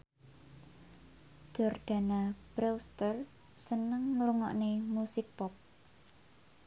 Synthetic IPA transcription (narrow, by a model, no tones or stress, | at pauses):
d͡ʒ̥ɔrd̪̥a̤nab̥ɾɛwst̪ər | sənəŋːluŋɔ̰ʔnemusɪk̚pɔp̚